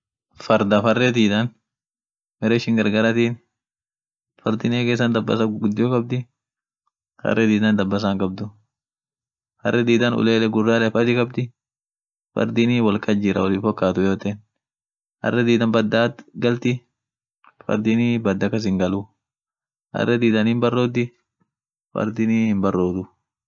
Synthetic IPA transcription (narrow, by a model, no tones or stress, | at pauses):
fɐɾd̪ɐfɐrːɛd̪iːd̪ɐn | mɛɾɛɪʃɪŋɡɐɾɡɐɾɐt̪iːn | fɐ̰ɾd̪ɪneːkeːs̬ːɐnd̪ɐbːɐ̰sɐɡʊd̪ːɪjokɐb̚d̪ɪ | fɐ̰rːɛd̪iːd̪ɐnd̪ɐbːɐs̬aŋkɐb̚d̪ʊ | fɐ̰rːɛd̪iːd̪ɐnʊ̰leːlɛɡʊrːaːlɛfɐd̪ɪkɐbd̪ɪ | fɐ̰ɾd̪ɪniːwɐlkɐd͡ʒɪɾɐ̰wɐlɪnfɔkːaːt̪ʊjoːt̪en | hɐ̰rːɛd̪iːd̪ɐnbɐd̪ːaːt̪ɡɐlt̪ɪ | fɐ̰ɾd̪iniːbɐd̪ːɐkɐs̬ɪŋɡɐlu | hɐ̰rːɛd̪iːd̪ɐnɪmbɐrːoːd̪ɪ | fɐ̰ɾd̪ɪniːhɪnbɐrːoːd̪ʊ